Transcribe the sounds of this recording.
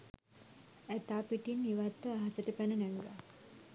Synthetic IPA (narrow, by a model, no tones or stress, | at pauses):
æt̪aːpiʈinːiʋat̪ːəaɦasəʈəpænənæʋila̰